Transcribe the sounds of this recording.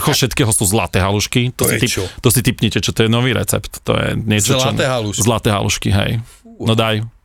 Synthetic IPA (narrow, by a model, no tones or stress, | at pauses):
xɔfʃɛt̪kɛːɦɔsuːzla̰t̪ɛːɦaluʃkit̪ɔsit̪it̪ɔsit̪ipɲicɛt͡ʃɔt̪ɔjɛnɔʋiːɾɛ̰t͡sɛ̰pt̪ːɔ̰jɛ̰ɲɪɛt͡ʃɔlt͡ʃɔɛɦalzlat̪ɛːɦa̰lṵʃkiɦɛ̰jnɔd̪aj